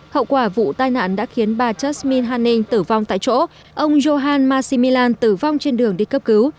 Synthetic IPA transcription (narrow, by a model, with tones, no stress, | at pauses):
hə̰˧˨wkwaː˧˩vṵ˧˨t̪aː˧jna̰ː˧˩˨nɗa̰ː˧˥xi˨˦ənɓaː˨˩t͡ɕə˦˥smi˧nɦaː˧nːï˧ŋ̟t̪ɨ˧˩va˧wŋ͡mt̪a̰ː˧˨jt͡ɕo̰˧˥ | ʔə˧wŋ͡mzo˧ɦaː˧nmaː˧si˧mi˧laː˧nt̪ɨ˧˩va˧wŋ͡mt͡ɕe˧nɗɨ˨˩əŋɗi˧kə˦˥p̚kɨ˨˦w